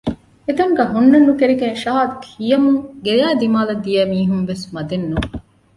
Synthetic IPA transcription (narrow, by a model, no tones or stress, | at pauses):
et̪ɐŋɡɐɦunːɐnːukeɾiɡeŋʃaːd̪khijɐmuŋɡejaːd̪imaːlɐd̪ijɛːmiːɦumʋesmɐd̪enːuŋ